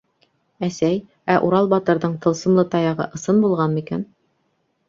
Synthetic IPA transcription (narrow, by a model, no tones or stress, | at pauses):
æsæj | æʔuɾɑlˠbɑt̪ɤ̆ɾðɤɴt̪ɤ̆lˠsɤ̆mlˠɤt̪ɑjɑʁɤ̰ʔɤ̆sɤnbulˠʁɑnikæn